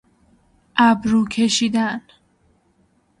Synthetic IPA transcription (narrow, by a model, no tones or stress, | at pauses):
ʔæbɾuːkʰeʃiːd̪æn